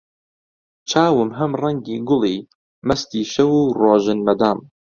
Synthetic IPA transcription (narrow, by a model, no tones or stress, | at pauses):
t͡ʃʰaːwɨmɦɐmrɐŋɡiːɡʊlˠiː | mɐst̪iːʃɐwuːroːʒɨnmɐd̪aːm